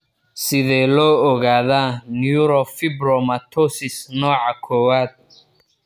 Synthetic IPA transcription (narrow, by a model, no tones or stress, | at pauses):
sɪðɛːlɔːɔɣaːðaːnjuɾɔfɪbɾɔmɐt̪ʰɔsɪsnɔːʕɑkʰɔːwaːd̪̚